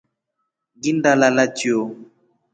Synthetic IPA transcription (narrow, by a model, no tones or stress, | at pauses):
ɡindalalatio